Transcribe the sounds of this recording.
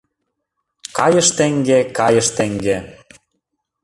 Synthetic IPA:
kɑjəʃt̪ĕŋɡekɑjəʃt̪eŋɡe

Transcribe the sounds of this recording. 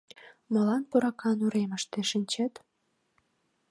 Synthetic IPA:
mə̆lɑnpuɾɑkɑnuɾeməʃt̪eʃənʲt͡ɕet̪

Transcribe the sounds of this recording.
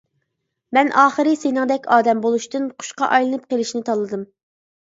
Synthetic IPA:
mɛnʔɑːχəɾɨsenɪŋd̪ɛkʲʰɑːd̪ɛmbolˠuʃt̪ɨnqʰʊ̥ʃqɑ̰ʔɑjlˠɨnɨp̚qelˠɪʃnɪt̪ʰɑlˠːɨd̪ɨm

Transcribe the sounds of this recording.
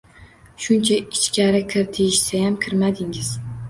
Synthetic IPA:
ʃʊnt͡ʃʰaɪt͡ʃkʲaɾɪkʲʰɪɾt̪ʰijɪʃsajamkʲʰɪɾmad̪ɪŋɪz̥

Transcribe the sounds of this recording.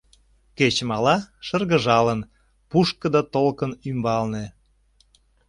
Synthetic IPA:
ket͡ɕəmɑlɑʃərɣəʒɑlən | puʃkəd̪ɑt̪olkənymbɑlne

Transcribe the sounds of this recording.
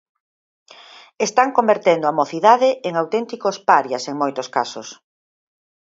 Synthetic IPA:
est̪aŋkombeɾt̪end̪oamoθiðaðɪʔeŋawt̪ent̪ikospaɾjaseŋmojt̪ʊskasʊs

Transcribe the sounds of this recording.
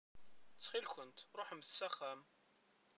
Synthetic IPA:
t͡sːχilçənt̪ɾˤoħəmθsæχæm

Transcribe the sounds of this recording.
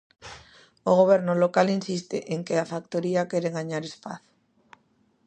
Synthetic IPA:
oɣoβ̞ɛɾnʊlokalinsist̪eʔeŋkeafak̚t̪oɾiakeɾeŋɡaɲaɾespaθ

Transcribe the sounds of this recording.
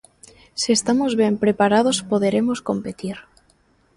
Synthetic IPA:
siest̪amozβjempɾepaɾað̞ospoðeɾe̞mosko̞mpe̞t̪iɾ

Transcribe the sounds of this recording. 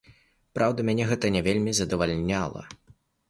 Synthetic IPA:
pɾawd̪ɐmʲanʲɛɣɛt̪ɐnʲɛvʲelʲmʲizɐd̪ɐvalʲnʲalˠɐ̰

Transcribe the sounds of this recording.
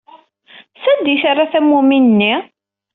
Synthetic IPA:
sæd̪iʃarˤːaθæmuminnːi

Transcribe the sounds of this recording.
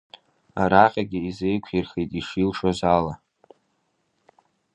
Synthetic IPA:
a̰ɾaqʲʼaɡʲɪizejkʷʰirχejtʼiʂilʂazala

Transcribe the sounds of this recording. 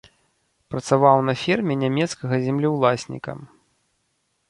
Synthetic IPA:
pɾɐt̪savawnɐfʲirmʲɛnʲamʲɛt̪skɐɣɐzʲɛmlʲiwlˠasʲnʲḭkɐ̰

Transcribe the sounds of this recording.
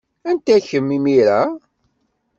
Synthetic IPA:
ænt̪æçəmːimiɾæ

